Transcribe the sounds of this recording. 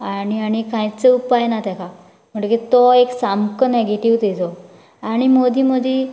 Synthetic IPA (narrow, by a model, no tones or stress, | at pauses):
aniaɽ̃ikãjt͡səupajnat̪ãkʰa | m̤əɳkit̪oeksamkəneɡeʈiʋt̪ed͡zɔ | aɽ̃imod̪iməd̪ʱi